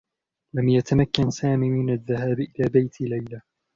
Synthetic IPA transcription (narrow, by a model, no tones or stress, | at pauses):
lamjat̪amakːansaːmiːmɪnaðːahaːbʔɪlaːbajt̪ɪlajla